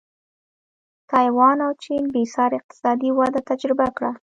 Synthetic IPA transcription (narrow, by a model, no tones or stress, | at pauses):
t̪ɑjwɑnawt͡ʃinbesɑɾɪq̚t̪ɪ̥sɑd̪iwad̪at̪ad͡ʒɾɪbakɽa